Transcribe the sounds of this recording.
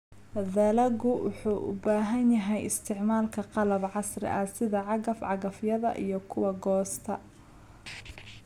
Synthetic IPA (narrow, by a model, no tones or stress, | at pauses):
ðɐlɐɡʊwʊ̰ħuːʔʊ̰baːɦɐnjɐɦɛjɪ̰st̪ʰɪʕmaːlkʰɐqɑlɐbʕɑsrɪ̰ʔɐsɪðɐʕɑɣɐfʕɑɣɐfjɐðɐ̰ʔḭjɞkʰʊwɐɡɔːst̪ʰɐ